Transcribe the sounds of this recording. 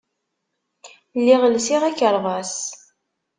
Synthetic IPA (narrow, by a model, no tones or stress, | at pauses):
lːiʁəlsiʁækːəɾˤvˤɑs